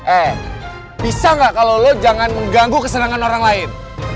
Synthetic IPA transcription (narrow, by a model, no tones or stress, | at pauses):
ʔɛ | bisaŋɡaʔkalowlod͡ʒaŋanməŋɡaŋɡukəsənaŋanoɾaŋlaɪn